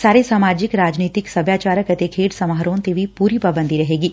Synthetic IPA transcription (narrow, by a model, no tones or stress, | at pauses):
saːɾesaːmad͡ʒɪkɾad͡ʒnit̪ɪksəbʱjat͡ʃaɾəkət̪ekʰeːʈsəmaɦəɾont̪eʋipuɾipəbə̃nd̪ʱiɾəɦeɡi